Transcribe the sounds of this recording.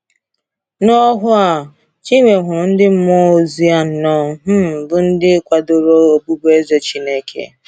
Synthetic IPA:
nɔ˦ɦʊ˦a˨ | t͡ʃi˦ŋʷe˨ɦʷʊ˨ɾʊ˨n̩˦dɪ˦m̩˦mɔ˦o˦zi˦a˦n̩˨nɔ˦ɦ̩˦˨bʊ˦n̩˦dɪ˦kʷa˨do˨ɾo˦o˨bu˦bu˦e˦zo˨t͡ʃi˦ne˦kʰḛ˨

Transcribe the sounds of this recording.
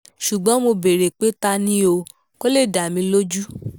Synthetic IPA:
ʃu˨ɡ͡bɔ̃˨˦mo˧be˨ɾe˨k͡pe˨˦ta˧nĩ˦o˧ | ko˦le˦˨da˨mĩ˧lo˦d͡ʒu˦

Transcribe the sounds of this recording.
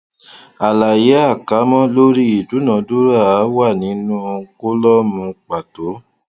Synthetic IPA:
a˨la˨je˨˦a˦˨ka˨˦mɔ̃˦lo˦ɾi˦i˨du˨˦nã˨˧˦du˦ɾa˦˨˦wa˦˨nĩ˨˦nũ˦ko˦lɔ˦mũ˧k͡pa˨to˨˦

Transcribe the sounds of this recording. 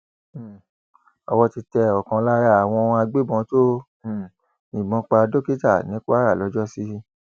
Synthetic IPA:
ɔ˧wɔ˧ti˧tɛ˧ɔ˨kã˧la˦ɾa˦a˨w̃ɔ̃˧a˧ɡ͡be˦bɔ̃˧˦to˦˨ | ĩ˨mɔ̃˨˧˦k͡pa˧do˦ki˦ta˦˨nĩ˨˦ko˦a˦ɾa˦˨lɔ˨˧˦d͡ʒɔ˦si˦

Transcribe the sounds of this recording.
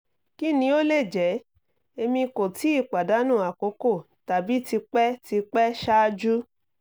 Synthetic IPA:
ki˦nĩ˧o˦le˦˨d͡ʒɛ˨˦ | e˧mĩ˧ko˨ti˨˦i˦˨k͡pa˨da˨˦nũ˦˨a˨ko˨˦ko˦˨ | ta˨bi˨˦ti˧k͡pɛ˦ti˧k͡pɛ˦ʃa˦d͡ʒu˦

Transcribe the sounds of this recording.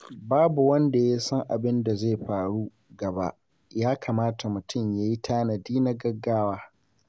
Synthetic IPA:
baː˦bu˨wɐ˦nda˨ja˦sɐ˦ŋʔa˨bɪ˦nda˨zeː˦˨ɸaː˨ɽu˦ | ɡɐ˨ba̰˦ʔ | jaː˦kʰaː˨maː˦ta˨mʊ˨tʰʊ˦˨mjaː˦ji˦tʰaː˦na˨diː˦na˦ɡɐ˦ɡːaː˦waː˦

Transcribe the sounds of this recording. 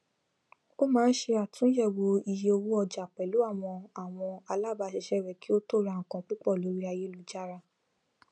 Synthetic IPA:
o˦mãː˨˦n̩˦ʃe˧a˨tũ˨˦jɛ˦˨wo˧i˧je˧o˧wu˦ɔ˧d͡ʒa˨k͡pɛ˨lu˨˦a˦˨w̃ɔ̃˧a˨w̃ɔ̃˧a˧la˦˨ba˧˨ʃɛ˧ʃɛ˦ɾɛ˨ki˦o˦to˦˨ɾa˧ŋ̩˨kã˧k͡pi˦k͡pɔ˦˨lo˨˦ɾi˦a˧je˦˨lu˨˦d͡ʒa˦ɾa˧

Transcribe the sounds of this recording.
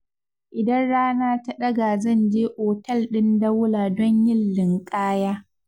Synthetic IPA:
ʔɪ˨dɐ˦nɽaː˦naː˦ta˦ɗɐ˦ɡa˨zɐ˦˨nd͡ʒeː˦ʔoː˨tɐ˦˨lɗɪ˦ndɐ˦wʊ˦laː˨dɔ˦ɲjɪ˦lːɪ˨ŋkʼaː˦jaː˦

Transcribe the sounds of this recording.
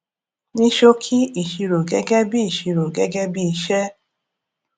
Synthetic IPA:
nĩ˦ʃo˦kʰi˦i˨ʃi˧ɾo˨ɡɛ˦ɡɛ˦bi˦i˨ʃi˧ɾo˨ɡɛ˦ɡɛ˦bi˦i˧ʃɛ˦

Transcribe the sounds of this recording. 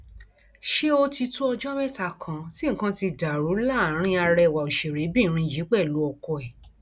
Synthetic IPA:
ʃe˦o˧ti˧tu˦ɔ˧d͡ʒɔ˦mɛ˦ta˧˨kʰã˨˧ti˦ŋ̩˦kã˧˦ti˧da˨ɾu˨˦la˦˨˦ɾ̃ĩ˧a˧ɾɛ˧˨wa˨o˨ʃe˨ɾe˨˦bĩ˦˨˦ɾ̃ĩ˧˨d͡ʒi˨˦k͡pɛ˦˨lu˨˦ɔ˧kɔ˧ɛ˨

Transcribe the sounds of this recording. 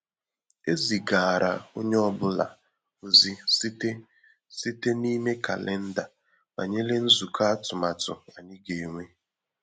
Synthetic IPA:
e˦zi˨ɡa˨ɾa̰˨o˦ɲe˦ɔ˦bʊ˦la̰˨ | o˨zi˦si˦te˦ | si˦te˦ni˦me˦ka̰˨le˦n̩˦da˨ | ma̰˨ɲe˦le˦n̩˦zu˨kʰa˦a˦tʊ˨ma˨tʊ̰˨a˨nɪ˦ɡe˨ŋʷe˦

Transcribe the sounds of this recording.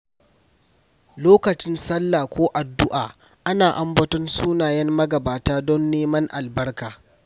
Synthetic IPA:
loː˦kɐ˨t͡ʃɪ˦nsɐ˦lːaː˨kʷoː˦ʔa˨dːʊ˦ʔaː˨ | ʔa˦naː˨ʔa˦mbɐ˦tɔ˦nsuː˦naː˨jɛ˦mːɐ˦ɡɐ˨baː˨taː˦dɔ˦nːeː˦mɐ˦ŋʔa˨lbɐ˦rkaː˨

